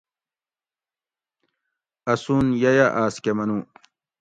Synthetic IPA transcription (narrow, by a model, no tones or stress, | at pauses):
ɐsunjɐjaʔaːskemɐnũː